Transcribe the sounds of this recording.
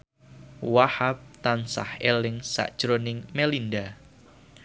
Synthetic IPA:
wahap̚t̪ansa̰helɪŋsa̰ʔd̥ʒ̥ɾonɪŋmelinda

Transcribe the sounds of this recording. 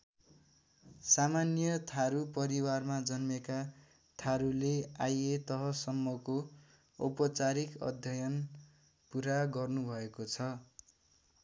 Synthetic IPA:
samanjʌt̪ʰaɾupʌɾiwarmad͡zʌnmeka | t̪ʰaɾuleajet̪ʌɦʌsʌmːʌko | o̰pʌt͡saɾikʌ̰d̪ʱjʌjʌn | puɾaɡʌrnubʱʌekot͡sʰʌ

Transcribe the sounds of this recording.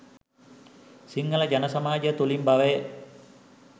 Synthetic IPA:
siŋːɐlɐd͡ʒɐnɐsɐmaːd͡ʒɐt̪olimbɐʋej

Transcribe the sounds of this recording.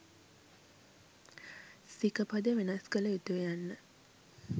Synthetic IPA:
sikəpad̪əʋenaskələit̪uʋejanːə

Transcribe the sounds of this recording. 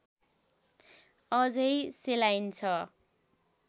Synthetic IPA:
ʌd͡zʌjselajnt͡sʰʌ

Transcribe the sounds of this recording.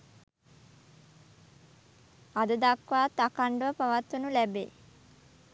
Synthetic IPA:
ad̪əd̪akʋaːt̪ːakaɳɖəʋəpaʋat̪ːunulæbeː

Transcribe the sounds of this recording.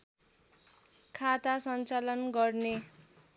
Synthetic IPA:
kʰat̪asʌnt͡salʌnɡʌrne

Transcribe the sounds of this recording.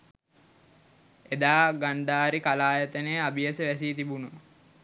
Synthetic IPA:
ed̪aːɡand̪aːɾikalaːjət̪ənejabiəsəʋæsiːt̪ibunə

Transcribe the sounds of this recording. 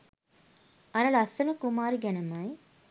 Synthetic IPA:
ɐɾɐlɐsɐnəkumaːɾiɡænəmɐj

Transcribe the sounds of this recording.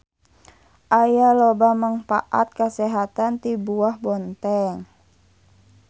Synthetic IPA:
ʔajalɔbamaŋfa̰ʔa̰t̪̚kəsɛɦat̪ant̪ibuahbɔnt̪ɛŋ

